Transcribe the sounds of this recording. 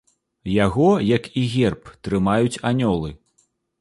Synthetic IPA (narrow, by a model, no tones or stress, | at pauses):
jaɣɔjakiɣʲɛrpt̪ɾɨmajut͡sʲanʲɔlˠɨ